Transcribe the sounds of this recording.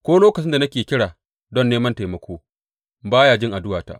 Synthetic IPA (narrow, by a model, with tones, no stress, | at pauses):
kʷoː˦loː˦kɐ˨t͡ʃɪ˦nda˨nɐ˦kʲeː˨kʲɪ˦ɽaː˨ | dɔ˦nːeː˦mɐ˦nta˨jmɐ˦kʷoː˦ | baː˦jaː˨d͡ʒɪ˦ŋʔa˨dʊ˦waː˨ta̰˨˦ʔ